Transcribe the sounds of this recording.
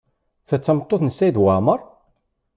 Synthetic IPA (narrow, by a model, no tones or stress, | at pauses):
θæt͡sːəmt̪ˤːoθnəsːæjiðwaʕməɾˤ